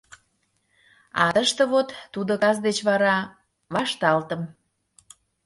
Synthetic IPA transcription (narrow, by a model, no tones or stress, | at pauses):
ɑd̪əʃt̪ə̆βot̪ːud̪okɑzd̪et͡ɕβɑɾɑ | βɑʃt̪ɑlt̪əm